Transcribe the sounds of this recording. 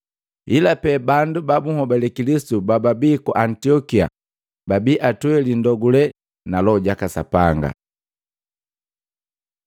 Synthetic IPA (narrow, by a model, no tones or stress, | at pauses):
ilapɛbandubabuhɔbalɛkilisi̥tubababikɔʔantiɔkia̰ | babiʔatuɛlindɔɡulɛ | nalɔɟakasa̰paŋɡa̰